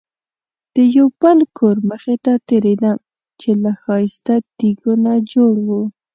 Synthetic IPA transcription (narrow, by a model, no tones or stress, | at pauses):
d̪̥əjowbəlkʰoɾməxet̪at̪eɾed̪am | t͡ʃelaxɑjst̪ad̪̥iɡʊnad͡ʒoɽwu